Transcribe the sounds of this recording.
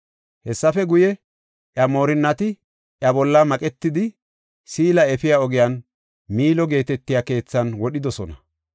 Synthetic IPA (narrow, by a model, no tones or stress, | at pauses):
hɛsːɐfɛɡʊjɛ | ʔjɐmo̞ːɾɪnːɐt̪ɪ | ʔjɐbɔlːɐmɐkʼɛt̪ːɪd̪ɪ | siːlɐɛfɪjaɔɡɪjan | miːlɔɡe̞ːt̪ɛt̪ːɪjake̞ːt͡sːɐnwɔɗɪd̪ɔsɔnɐ